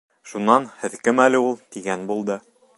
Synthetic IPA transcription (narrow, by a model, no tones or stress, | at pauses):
ʃunːɑnhɘ̆ðkɘmælɘulˠt̪iɡænbulˠd̪ɤ